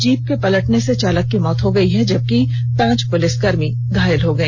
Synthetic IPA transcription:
d͡ʒiːp̚kepɐləʈneset͡ʃaːləkːimɔːt̪ɦoɡɐiɦɛd͡ʒɐb̚ki | pãːt͡ʃpʊlɪsɡɐɾmi | d̪ʱaːjɪəlɦoɡɐẽː

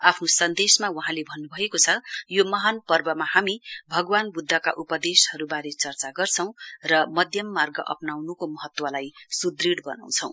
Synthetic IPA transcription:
apʰnosʌnd̪esmawuɦãlebʱʌnːubʱʌekot͡sʰʌjomʌɦanpʌrbʌmahamibʱʌɡwanbud̪ʱːʌka̰ʔupʌd̪eshʌɾubaɾet͡sʌrt͡saɡʌrt͡sʰʌ̃w̃rʌmʌd̪ʱjʌmːarɡʌʔʌ̰pnawnukomʌɦʌt̪wʌlajsud̪riɽbʌna̰w̃t͡sʰʌ̃w̃

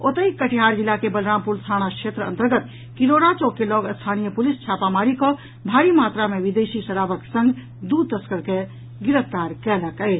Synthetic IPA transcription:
ot̪əikəʈʰiɦaɾd͡ʒilːakebəlɾampulsʰaɽ̃akʃet̪ɾəə̰nt̪əɾɡət̪ | kiɾoɾat͡ʃokːelɔɡəst̪ʰanijəpulist͡ʃʰapamaɾikɔ | bʱaɾimat̪ɾameʋid̪esisəɾabəksə̃ŋɡ | d̪ud̪̚t̪əskəɾke | ɡiɾəft̪aɾkɛləkəjt͡ʃ

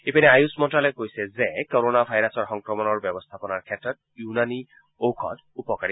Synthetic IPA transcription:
epanɛajusmɔntalɔkojsɛzekɔɾonabʱajɾasɔɹxɔŋkɹɔmɔnɔɹbjɔbɔst̪ʰapɔnaɹkʰɛtɹɔt̚ | junani | owkʰɔ̰t | upɔkaɹi

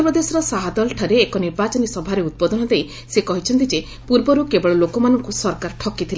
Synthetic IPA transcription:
ɔpɾɔd̪esɔɾɔsaɦad̪ɔlʈʰaɾeːkɔniɾbat͡ʃɔnisɔbʱaɾeud̪̚bɔd̪ʱɔnɔd̪ej | sekɔɦit͡ʃʰɔnt̪id͡ʒe | puɾbɔɾukebɔɭɔlokɔmanɔŋkusɔɾkaɾʈʰɔkit̪ʰile

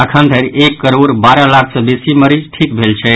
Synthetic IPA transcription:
əkʰənd̪ʱəɾekːəɾoɾbaɾəlakʰsə̃besiməɾid͡ʒʈʰikbʱelt͡ʃʰɛ

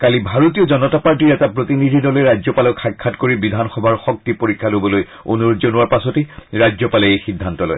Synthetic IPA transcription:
kalibʱaɹotiɔzɔnɔtapaɹtiɹɛtapɹotinidʱidɔlɛɹajzɔpalɔkʰakʰːatkoɹibidʱanxɔbʱaɹxɔk̚tipoɹikʰːalobɔloj | o̰nuɹozɔnʊwaɹpasɔteɹajd͡ʒzɔpalɛejxidʱːantɔlɔ̰j

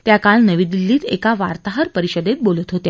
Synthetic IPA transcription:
t̪jakalnəʋiːd̪ilːiːt̪ḛkaʋaɾt̪aɦəɾpəɾiɕəd̪et̪̚bolət̪ɦot̪e

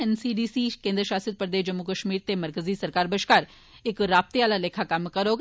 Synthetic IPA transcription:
ɛnsiːɖiːsikẽːnd̪ɾəʃaːsəd̪̚pɾəd̪eːʃd͡ʒɐmːukəʃmiːɾt̪emɐɾkəzisɐɾkaːɾbəʃkaːɾ | ɪkɾaːb̚t̪eʋaːlaleːkʰakɐmkɐɾoːɡ

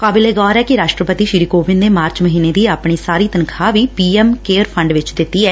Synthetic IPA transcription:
kaːbɪleːɡɔːɾɛːkɪɾaːʃʈɾəpət̪iːʃɪɾiːkoːʋɪnneːmaːɾt͡ʃməɦiːneːd̪iːaːpɳ̃iːsaːɾiːt̪ənkʰaːʋiːpiːɛmkeːɾpʰəɳɖʋɪt͡ʃd̪ɪt̪ːiːɛː

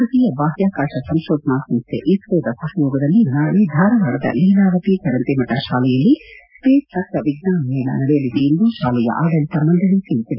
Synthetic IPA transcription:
ɐɾɐt̪iːjɐbaːɦjaːkaːʂɐsɐmʃoːt̪naːsɐmst̪ʰːḛʔisʋeːd̪ɐsɐɦɐjoːɡɐd̪ɐlːinaːɭed̪ʱaːɾɐʋaːɽɐd̪ɐ̰liːnaːʋɐt̪it͡ʃɐɾɐnt̪imɐʈːɐʃaːlɛjɐlːispeːsɐkt̪ɐʋiɡnaːmɛːnɐ̰nɐɽɛjɐliʋ̪eend̪uʃaːlɛjɐ̰ʔaːd̪ɐlit̪ɐmːɐnd̪ɐlit̪iɭit̪id̪e

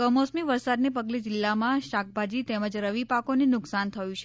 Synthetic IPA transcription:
kəmosmiʋəɾsad̪nepəɡled͡ʒɪlːamãʃak̚ʰbʱad͡ʒit̪eməd͡ʒɾəʋipakonenʊksant̪ʰəjũt͡ʃʰe

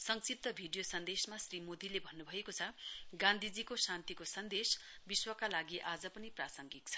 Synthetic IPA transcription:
sʌŋsip̚t̪ʌbʱiɖijosʌnd̪esmasrimod̪ʱilebʱʌnːubʱʌekot͡sʰʌɡãnd̪ʱid͡zikosant̪ikosʌnd̪es | biswʌkalaɡiʔad͡zʌpʌniprasʌŋɡik̚t͡sʰʌ̥

